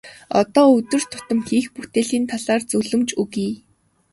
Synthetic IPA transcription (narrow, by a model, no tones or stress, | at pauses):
ɔ̰t̪ɔːɵt̪ɵ̆r̥t̪ʰʊ̥t̪ə̆mxiːxput̪eːɮiːnt̪ʰaɮaːrt͡sɵɮɵ̆mt͡ɕuɣiː